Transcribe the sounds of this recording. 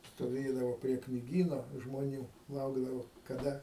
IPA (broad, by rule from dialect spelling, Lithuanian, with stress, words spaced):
stoːˈʋʲeːdɐʋoː pʲrʲiɛ knʲɪˈɡʲiːnoː ʒmoːˈnʲuː ˈlˠɐʊɡdɐʋoː kɐˈdɐ